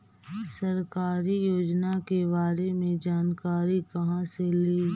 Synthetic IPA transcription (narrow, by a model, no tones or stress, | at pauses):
sɐɾkaːɾijoːd͡ʒnakebaːɾemẽd͡ʒaːnkaːɾikɐɦãseleː